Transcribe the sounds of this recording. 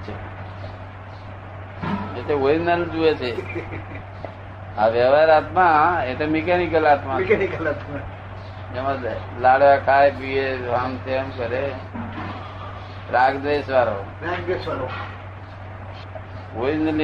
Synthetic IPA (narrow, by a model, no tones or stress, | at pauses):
t͡ʃʰe | et̪eoinəld͡ʒuet͡ʃʰe | aʋəʋaɾat̪mãet̪emikanikəlat̪mãkanikəlat̪ma | d͡ʒemã | laɽʋakʰajpieɦamt̪ʰemkəɾe | ɾaɡd̪esʋaɾo | ɾaɡd̪esʋaɾo | oinəl